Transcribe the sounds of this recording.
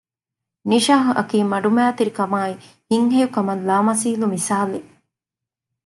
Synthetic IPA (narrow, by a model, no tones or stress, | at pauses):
niʃaːɦuʔɐ̰kiːmɐɖumæːt̪iɾikɐmaːi | hiŋɦejukɐmɐllaːmɐsiːlumisaːle